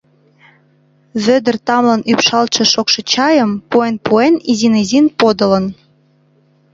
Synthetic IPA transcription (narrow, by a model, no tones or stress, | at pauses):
βød̪ə̆rt̪ɑmlɑnypʃɑlt͡ʃĕʃokʃɤ̆t͡ɕɑjəmpuenpuenizinizinpod̪ə̆lən